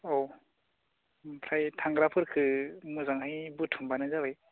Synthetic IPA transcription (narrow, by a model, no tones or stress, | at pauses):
ow | pʰɾajtʰaŋɡɾapʰɯɾkʰɯmɯzaŋhajbɯtʰumbanɯzabɯj